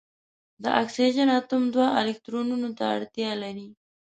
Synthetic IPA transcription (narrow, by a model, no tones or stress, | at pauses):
d̪əʔaksid͡ʒənat̪ʊmd̪waʔɪlɪk̚t̪ɾonunot̪aa̰ɽt̪jɑlaɾi